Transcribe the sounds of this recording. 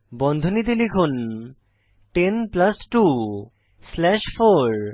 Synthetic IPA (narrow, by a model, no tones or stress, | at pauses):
bɔnd̪ʱonit̪ilikʰun | ʈenplasʈu | slɛʃfoɾ